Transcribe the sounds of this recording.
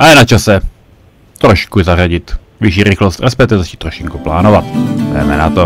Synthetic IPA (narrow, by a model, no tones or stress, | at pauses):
ʔajɛnat͡ʃasɛ | t̪ɾoʃkuzaraɟɪt̪ | vɪʃiːɾɪxlost̪rɛspɛkt̪ɪzat͡ʃi̥ːt̪ːɾoʃɪŋkuplaːnovat̪vɛ̰mɛ̰nat̪o